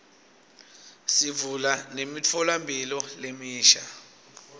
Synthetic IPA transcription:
sivulanemit͡fʰɔlambʱilɔlemiːʃa

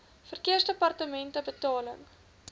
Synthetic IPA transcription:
fərkiərsdəpɐrtəmɛntəbətɑːləŋ

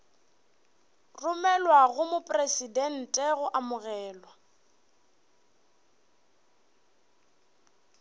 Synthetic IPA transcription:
rʊmɛlwaɣʊmʊpʼresidɛn̩tʼɛɣʊʔamʊɣɛːlwa

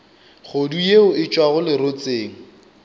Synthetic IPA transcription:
χodujeʊɪt͡ʃʼwaɣʊlɪɾot͡sʼeːŋ̩

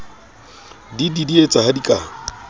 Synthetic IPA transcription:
dididiet͡sʼahadikʼa

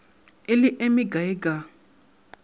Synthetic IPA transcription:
eliʔemiɡaiɡa

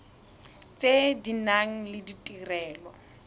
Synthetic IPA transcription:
t͡sʼedinaŋ̩lɪditʼirɛːlɔ

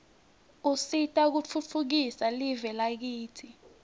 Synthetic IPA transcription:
usitʼak̬ut͡fʰut͡fʰuk̬isalivɛlak̬iːtʰi

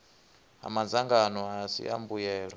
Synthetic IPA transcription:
ɦa̰mand͡zaŋɡanɔasḭʔa̰mbujɛːɺɔ

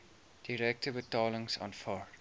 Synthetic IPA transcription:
d̥iɾɛk̚təbətɑːləŋsɔ̰̃nfɑːr

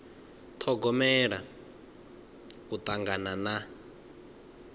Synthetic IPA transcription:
t̪ʰɔɡɔmɛɺa | kut̪ʼaŋɡanana

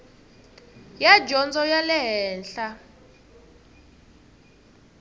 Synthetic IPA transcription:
jad͡ʒɔnd͡zɔjalɛɦɛːnɬa

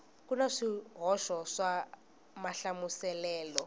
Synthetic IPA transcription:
kunaʂiɦɔʃɔʂa | maɬamusɛlɛːlɔ

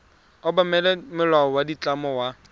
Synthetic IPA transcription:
ɔbamɛlɛmɪlaɔwadit͡ɬʼamɔwa

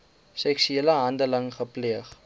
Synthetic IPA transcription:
sɛksyɛlaɦandəlɐŋχəpliəχ

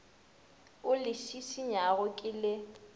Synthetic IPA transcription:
ʊlɪʃisiɲaɣʊkʼɪlɪ

